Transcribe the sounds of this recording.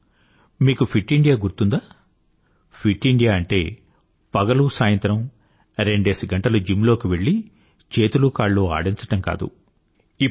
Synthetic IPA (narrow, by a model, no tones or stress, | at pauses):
miːkupʰiʈːiɳɖijaːɡuɾt̪und̪aː | pʰiʈːiɳɖijaːɐɳʈe̞ː | pɐɡɐlusaːjɐnt̪ɾɐm | ɾe̞ɳɖe̞ːsiɡɐɳʈɐlud͡ʒimlo̞ːkiʋe̞ɭːi | t͡ʃe̞ːt̪ulukaːɭːoːa̰ːɽiɲt͡ʃɐʈɐmka̰ːd̪ṵ | i